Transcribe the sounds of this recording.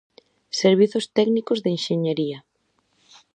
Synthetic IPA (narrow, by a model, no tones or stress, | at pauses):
seɾβ̞iθʊst̪ɛɡnikʊzðeinʃeɲeɾiɐ